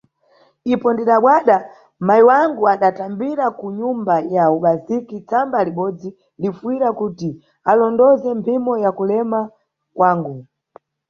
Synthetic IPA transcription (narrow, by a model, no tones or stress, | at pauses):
ipɔndiɗaɓwaɗa | majiwaŋɡuaɗatambiɾakuɲumbajauɓazikit͡sambaliɓɔd͡zi | lifuiɾakuti | alɔndɔzɛmpʰimɔjakulɛma | kwaːŋɡu